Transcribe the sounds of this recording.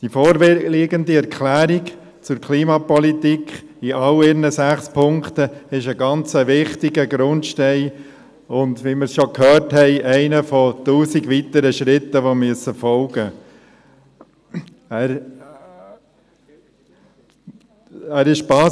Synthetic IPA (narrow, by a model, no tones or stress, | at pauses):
d̥ifɔːɾʋliːɡəndiɛɾkʰlæːɾik | t͡sʊɾkʰliːmɑpɔlit̪ikχiʔɑlɪɾnəsæχspʰʊŋkt̪əɪʃəɡɑnt͡səʋɪχtiɡəɡɾʊntʃtɛɪ | ʊndʋimɪɾsʃɔkhœːɾthɛɪʔɛɪnəfɔt̪uːsiɡʋit̪əɾəʃɾɪt̪ːəʋomyəsəfɔlɡə | æɾ | æːɾɪʃb̥ɑː